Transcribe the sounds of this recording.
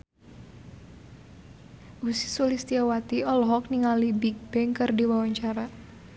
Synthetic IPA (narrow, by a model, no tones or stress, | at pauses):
ʔusi̥sulist̪iawat̪iɔlɔɦɔk̚niŋalibik̚b̥ɛŋkɨrdiwawaɲt͡ʃaɾa